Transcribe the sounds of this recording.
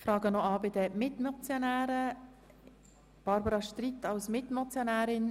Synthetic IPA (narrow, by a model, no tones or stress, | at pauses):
fɾɑːɡənɔɑːbɪdəmɪtmɔt͡sjonæːɾə | b̥ɑɾbəɾɑʃtritːɑlsmɪtmɔt͡sjonæːɾɪn